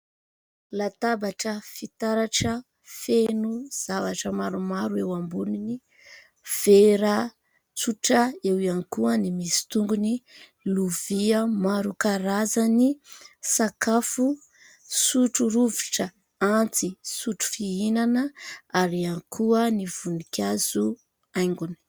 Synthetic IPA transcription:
lat̪abaʈ͡ʂəfit̪aɾaʈ͡ʂə | fenuz̥avaʈ͡ʂəmaɾumaɾuewambunini | v̥eɾa | t͡suʈ͡ʂaewiankuənimisi̥t̪uŋɡuni | luviəmaɾukaɾazanisakafu | suʈ͡ʂuɾuviʈ͡ʂə | ant͡sisuʈ͡ʂu̥fiinanəaɾiankʰuəniv̥unikʲaz̥u | ajŋɡuni̥

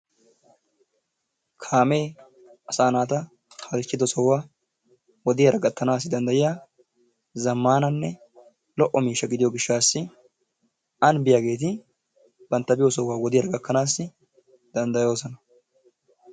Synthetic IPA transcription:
kʰaːme̞ː | ɐsaːnaːt̪ɐ | hɐlɪt͡ʃːɪd̪ɔsɔwːaː | wɔd̪ɪjɐɾɐɡɐt̪ʰːɐnaːs̬ːɪd̪ɐnd̪ɐjɪjaː | zɐmːaːnɐnːɛ | lɔʔɔmiːʃːɐɡɪd̪ɪjɔɡɪʃːaːsːɪ | ɐnbɪjaɡe̞ːt̪̬ɪ | b̥ɐnt̪ːɐbɪjɔsɔwːaːwɔd̪ɪjɐɾɐɡɐkːɐnaːsːɪ | d̪̥ɐnd̪ɐjo̞ːsɔnɐ

